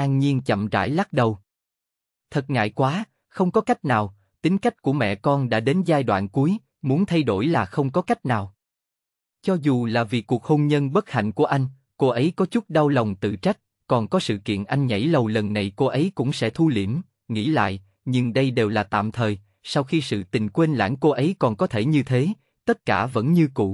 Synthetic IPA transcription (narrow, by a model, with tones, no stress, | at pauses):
ʔaː˧ŋɲi˧ənt͡ɕə̰˧˨mza̰ː˧˩jla˦˥k̚ɗə˨˩w | t̪ʰə˨˩t̚ŋa̰ː˧˨jkwaː˨˦ | xə˧wŋ͡mkɔ˨˦ka˦˥jk̚naː˨˩w | t̪ï˨˦ŋ̟ka˦˥jk̟̚ku˧˩əmɛ̰˧˨kɔ˧nɗa̰ː˧˥ɗe˨˦nzaː˧jɗwa̰ː˧˨nku˨˦j | mu˨˦ənt̪ʰa˧jɗo˧˩jlaː˨˩xə˧wŋ͡mkɔ˨˦ka˦˥jk̟̚naː˨˩w | t͡ɕɔ˧zu˨˩laː˨˩vi˨˩ku˨˩ək̚ho˧nɲə˧nɓə˦˥t̚ha̰˧˨jŋ̟ku˧˩əʔa˧jŋ̟ | ko˧ʔə˨˦jkɔ˨˦t͡ɕʊ˦˥t̚ɗa˧wlə˨˩wŋ͡mt̪ɨ̰˧˨t͡ɕa˦˥k̟̚ | kɔ˨˩nkɔ˨˦sɨ̰˧˨kḭ˧˨ənʔa˧jŋ̟ɲa̰˧˩jlə˨˩wlə˨˩nːa˨˩jko˧ʔə˨˦jkʊ̰˧˥ŋ͡msɛ̰˧˥t̪ʰu˧li˧˩əm | ŋḭ˧˥la̰ː˧˨jʔ | ɲɨ˧ŋɗə˧jɗe˨˩wlaː˨˩t̪a̰ː˧˨mt̪ʰəː˨˩j | sa˧wxi˧sɨ̰˧˨t̪ï˨˩ŋ̟kwe˧nla̰ː˧˥ŋko˧ʔə˨˦jkɔ˨˩nkɔ˨˦t̪ʰe˧˩ɲɨ˧t̪ʰe˨˦ | t̪ə˦˥t̚kaː˧˩və̰˧˥nɲɨ˧kṵ˧˩